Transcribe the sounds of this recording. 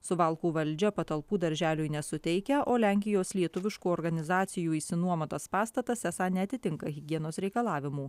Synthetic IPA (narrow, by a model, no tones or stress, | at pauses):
sʊʋɐlˠkuːʋɐlʲˑd͡ʒʲɛpɐt̪ɐlˠpuːd̪ɐɾʲʒʲæːlʲʊɪnʲɛsʊt̪ʲɛɪkʲɛʔoːlʲæˑŋʲkʲɪjoːslʲiɛt̪ʊʋʲɪʃkuːɔɾɡɐnʲɪzɑːt̪sʲɪjuːɪsʲɪnuɔmɐt̪ɐspɑːst̪ɐt̪ɐsɛsɑːnʲɛɐt̪ʲɪt̪ʲɪŋkɐɣʲɪɡʲiɛnoːsɾʲɛɪkɐlˠɑːʋʲɪmuː